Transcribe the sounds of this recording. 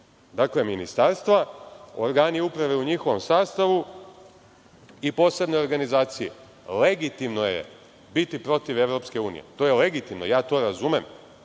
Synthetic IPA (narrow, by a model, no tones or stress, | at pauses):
d̪akle̞minist̪aːɾst̪ʋao̞̰ɾɡaːniupɾaʋeuɲixo̞ʋo̞msaːst̪aʋu | ipo̞ːse̞bno̞o̞ɾɡanizaːt̪sijḛ | le̞ɡit̪imno̞jḛ | bit̪ipɾo̞t̪iʋe̞ʋɾo̞pske̞uːnḭje̞̰t̪o̞jele̞ɡit̪imno̞̰jaːt̪o̞ɾazumem